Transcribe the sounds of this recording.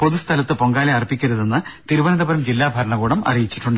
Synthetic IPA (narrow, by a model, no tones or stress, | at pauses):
po̞ðust̪ʰɐlɐt̪ːɨpo̞ŋɡaːleɐrpːikʲːɐɾuðenːɨt̪iɾuʋɐnɐðɐbɐɾɐmd͡ʑilːaːbʱɐɾɐɳɐɡuːɽɐmɐ̰rijit͡ɕːi̥ʈːuɳɖɨ